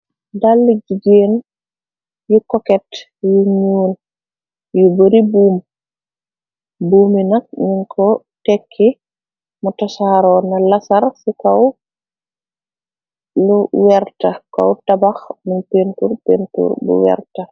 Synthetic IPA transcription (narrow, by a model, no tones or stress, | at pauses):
dalːid͡ʒiɡen | jukɔkɛt | juɲuːl | jubəɾibuːm | buːminak̚ɲiŋkʰɔ | tɛkʰːi | mutɔsaɾɔnalasaɾsikaw | luwɛɾtaka̰wtabaxminpentuɾpentṵɾbṵwɛ̰ɾta